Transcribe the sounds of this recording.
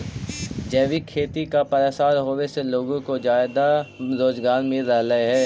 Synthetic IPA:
d͡ʒɛːʋikʰeːt̪ikapɐɾesaːɾɦoːʋeseloːɡõkod͡ʒaːjd̪aɾoːd͡ʒɡaːɾmẽɾɐɦlɐɦeɦɛː

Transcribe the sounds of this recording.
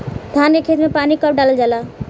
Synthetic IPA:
d̪ʱankekʰed͡ʒmepanikəp̚ɖalld͡ʒala

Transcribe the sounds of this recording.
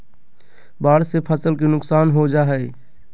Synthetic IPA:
baːɽsepʰəsəlkenʊksaːnɦod͡ʒaːɦɛ

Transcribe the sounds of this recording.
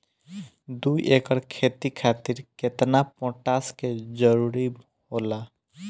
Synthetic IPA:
d̪uʔekəɾkʰet̪ikʰat̪iɾket̪napɔ̃ʈasked͡ʒəɾuɾi | ɦola

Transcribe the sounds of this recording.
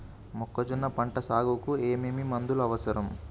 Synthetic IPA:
mɔkːɐd͡ʒunːɐpɐɳʈɐsaːɡukueːmeːmimɐnd̪ulɐʋɐsɐɾɐm

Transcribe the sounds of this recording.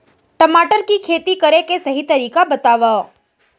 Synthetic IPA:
ʈɐmaːʈəɾkikʰeːt̪ikəɾekesɐɦit̪ɐɾiːkabɐt̪aːʋa

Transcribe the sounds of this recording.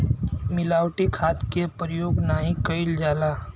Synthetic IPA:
mɪlaːwʈikʰaːt̪kepɾəjoːɡnaːɦĩkəɪld͡ʒaːlaː

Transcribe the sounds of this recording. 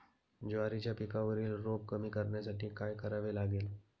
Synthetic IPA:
d͡ʑoʋaɾit͡ɕjapikaʋəɾiːlɾobkəmiːkəɾɳjasaʈiːkajkəɾaʋelaɡeːl

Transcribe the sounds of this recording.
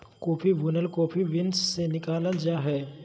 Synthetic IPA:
koːpʰiʋʊnəlkoːpʰiʋɪnsːenɪkaːləld͡ʒaːɦɛː

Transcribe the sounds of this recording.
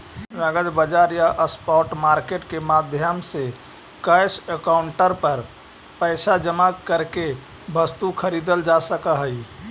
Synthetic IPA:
məɡəd͡ʒ̪bəd͡ʒaːɾjaʔəspɔːʈmaːɾkeʈkemaːd̪ʱjəmse | kəjsəkaːʊɳʈəɾpəɾ | pəːsad͡ʒəmakəɾke | bəst̪ukʰəɾiːd̪əld͡ʒasəkaɦəi

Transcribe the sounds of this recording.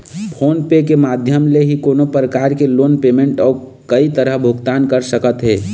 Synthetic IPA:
pʰonpekemad̪ʱjəmleɦikonopɾəkaɾkeloːnpemeɳʈɔː | kəit̪əɾəɦbʱʊɡt̪ankəɾsəkət̪ɦe

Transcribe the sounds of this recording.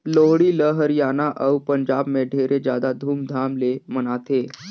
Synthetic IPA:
loɦɽiːləɦəɾjanaʔəwpəɲd͡ʑabmeɖʱeɾʔed͡ʑjad̪ad̪ʱuːmd̪ʱamlemənat̪e

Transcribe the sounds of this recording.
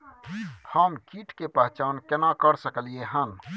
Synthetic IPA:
həmkiːʈʰkepəɦt͡ʃaːnkɪnakəɾsəkəlieɦən

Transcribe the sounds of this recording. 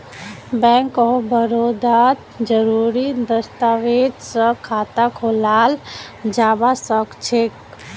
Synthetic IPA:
bɛ̃ŋkɔbəɾod̪at̪d͡ʒəɾuɾid̪əst̪aʋed͡ʒsə̃kʰaːt̪akʰolaːld͡ʒaːbasəkt͡ʃʰek

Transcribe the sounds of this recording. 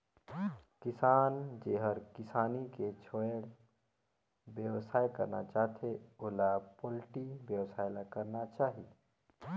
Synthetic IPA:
kɪsaːnd͡ʒeːɦəɾkɪsaːniket͡ʃʰoeɽ | bjəwsaːjkəɾna̰t͡ʃaːɦt̪ʰeolapolʈibjəwsaːjlakəɾnat͡ʃaːɦi

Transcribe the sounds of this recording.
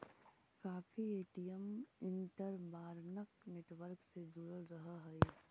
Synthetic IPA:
kaːfʰieːʈijəmɪ̃ɳʈəɾbaːɾnəkneːʈʋəɾksed͡ʒuɽəlɾəɦəɦɛi

